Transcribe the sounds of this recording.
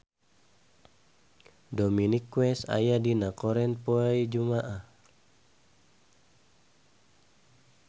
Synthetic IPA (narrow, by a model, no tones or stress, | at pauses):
dominikwɛsa̰jadinakɔɾɛnpoaid͡ʒumaʔah